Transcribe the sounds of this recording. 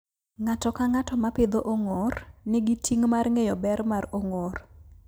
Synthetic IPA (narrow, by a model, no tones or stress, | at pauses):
ŋatɔkaŋatɔmapɪd̪oʔoŋornɪɡitʰiŋmarŋejɔbɛɾmaroŋor